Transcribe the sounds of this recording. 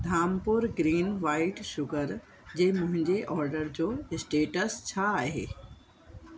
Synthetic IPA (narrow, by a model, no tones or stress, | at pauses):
d̪ʱaːmpʊɾɡɾiːnʋaːɪʈʃʊɡəɾ | d͡ʑeːmʊ̃ɦɪ̃ɲd͡ʑeʔɔːɾɖəɾd͡ʑoːɪsʈeːʈəst͡ɕʰaːɦḛː